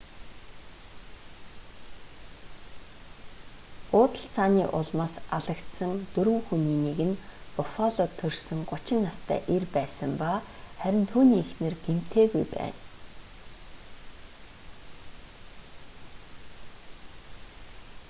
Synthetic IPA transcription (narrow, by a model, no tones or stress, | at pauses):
ʊːt̪ə̆ɬt͡sʰaːniːʔʊɮmaːsaɮə̆kt̪sə̆ŋt̪ɵɾɘ̆ŋxuniːneɣɘ̆npʊfaɮɔt̪ʰːɵrsɵ̆ŋɢʊt͡ɕɪ̆nːast̪ʰæ̰ːʔerpæːsə̆mpa | χæɾʲɪ̆nt̪ʰuːniːexnɘ̆rɡem̥t̪ʰeːɣujpæ̰ːn